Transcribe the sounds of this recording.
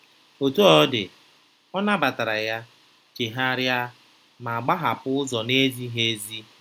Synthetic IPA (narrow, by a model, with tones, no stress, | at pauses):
o˨tu˦ɔ˦dɪ̰˨ | ɔ˦na˦ba˨ta˨ɾa˨ja˦ | t͡ʃe˨ɦa˦ɾja˦ | ma˨a˨ɡ͡ba˦ɦa˨pʊ˦ʊ˦zɔ˨ne˦zi˦ɦe˦zi˦